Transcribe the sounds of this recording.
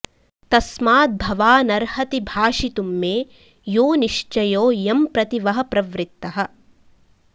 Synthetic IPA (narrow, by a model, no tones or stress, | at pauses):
t̪ɐsmaːt̪̚bʱɐʋaːnɐɾhɐt̪ibʱaːʂit̪umːeː | joːniʂt͡ʃɐjoːjɐmpɾɐt̪iʋɐɦɐ̆pɾɐʋɾɪt̪ːɐɦɐ̆